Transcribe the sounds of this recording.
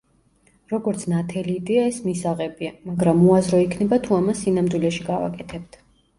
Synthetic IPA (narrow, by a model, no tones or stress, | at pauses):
ɾɔɡɔɾt̪sʰnat̪ʰɛliːd̪ɛaɛsmisaʁɛbiamaɡɾamuazɾɔikʰnɛbat̪ʰuamasːinamd̪wilɛʃiɡava̰kʼɛt̪ʰɛb̚t̪ʰ